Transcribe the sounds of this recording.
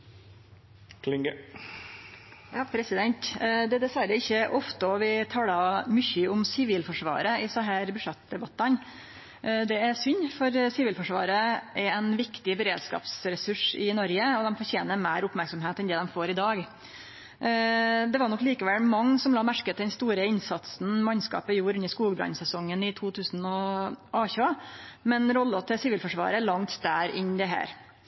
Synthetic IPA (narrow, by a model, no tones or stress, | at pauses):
kʰlɪŋɡə | jɑːpʰɾɛsɪd̪ɛnt̪d̪ɛd̪ɛsʋæɾəɪçːəʔɔft̪əɔʋɪt̪ʰɑːlɑmʏçəʊmsɪʋiːlfɔʂʋɑ̰ːɾəɪsɑɦæɾbʉʂɛt̪d̪ɛbɑt̪ːɑn | d̪ɛæɾsʏnːfɔɾsɪʋiːlfɔʂʋɑ̰ːɾəʔɛɾɛɪnʋɪkt̪ɪbəɾeːd̪skɑ̰ːpsɾɛsʉʂɪnɔɾɡəɔd̪ɛmfɔɾçeːnəɾmæɪɾʊpmæɾksɔmɦeːt̪ɛnd̪ɛːd̪ɛmfoːɾɪd̪ɑːɡ | d̪ɛʋɑɾɳɔkːliːkəʋɛlmɑŋːsɔmlɑːmæɾkət̪d̪ɛnst̪uːɾəɪnsɑt̪sn̩mɑnskɑ̰ːpɔjuːɾʉnəʂkuːɡəbɾɑ̰nsɛsɔŋːənɪt̪ʰuːt̪ʰʉːsn̩ɔʔɑːçɑmɛnɾɔlːət̪ʰɪsɪʋiːlfɔʂʋɑ̰ːɾəɭɑŋt̪d̪æːɾɪ̰ɲːd̪ɛɦæ̰ːɾ